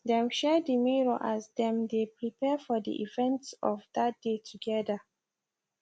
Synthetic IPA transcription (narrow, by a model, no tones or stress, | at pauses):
dɛ̃mʃɛdimiɹoʔasdɛ̃mdepɹipʰɛfɔdḭʔḭvɛ̃ntsɔvdat̚d̥etʰuɡɛda